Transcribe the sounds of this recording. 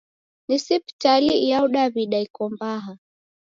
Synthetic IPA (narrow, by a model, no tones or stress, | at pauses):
nisipi̥talijauɗaβiɗaikɔmbaɦa